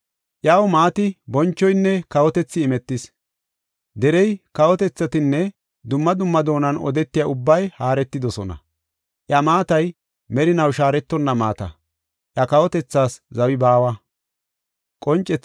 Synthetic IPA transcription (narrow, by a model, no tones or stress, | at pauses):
ʔjawmaːt̪ɪbɔnt͡ʃːɔjnːɛkɐwɔt̪ɛt͡sːɪːmɛt̪ːɪs | d̪ɛɾɛjkɐwɔt̪ɛt͡sːɐt̪ɪnːɛ | d̪ʊmːɐd̪ʊmːɐd̪o̞ːnɐnɔ̰d̪ɛt̪ːɪjaʊbːɐjhaːɾɛt̪ːɪd̪ɔsɔnɐ̰ | ʔjɐmaːt̪ɐj | mɛɾɪnɐwʃaːɾɛt̪ːɔnːɐma̰ːt̪ɐ̰ | ʔjɐkɐwɔt̪ɛt͡sːaːszɐwɪbaːwɐ | kʼɔnt͡ʃʼːɛt͡sː